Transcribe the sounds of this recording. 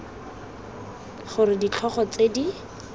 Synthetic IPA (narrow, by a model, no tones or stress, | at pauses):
χʊɾɪdit͡ɬʰɔχɔt͡sedi